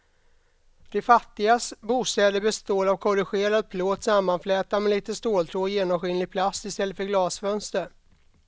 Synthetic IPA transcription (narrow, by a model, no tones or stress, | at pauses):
d̪̥ɛfat̪ːɪɡasbuːst̪ɛːd̪əbɛst̪oːlavkʰɔɾɪɧeːɾad̪̚pʰloːd̪samːanflɛːt̪amɛliːt̪əst̪oːlt̪ʰɾoːjeːnɔmɧɪnlɪɡ̚pʰlasɪst̪ɛlːəfœɾɡlɑːsfœnst̪əɾ